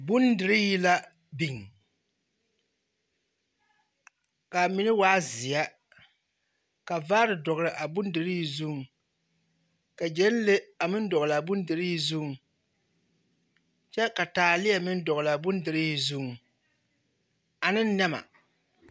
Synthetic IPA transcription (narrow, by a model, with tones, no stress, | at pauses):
bʊ˦ndɨ˨ɾɪ˦ji˦la˦ | bi˨ŋ | ka˨mi˦nɨ˦waː˦zɪ˨ja˦ | ka˨va˦ɾɨ˨dɔ˨ɣɾɨ˨ʔa˨bʊ˦ndɨ˨ɾɪ˦ji˨zʊ˦ŋ˨ | ka˨d͡ʒɛ˦n˦le˦a˨mɨ˦n˦dɔ˨ɣɨ˨la˨bʊ˦n˦dɨ˨ɾɪ˦ji˨zʊ˦ŋ˨ | t͡ʃɛ˦ka˨taː˨lɪ˦ja˨mɨ˦n˦dɔ˨ɣɨ˨la˨bʊ˦ndɨ˨ɾɪ˦ji˨zu˦˨ŋ˨ | a˨nɨ˦n˦nɛ˦ma̰˨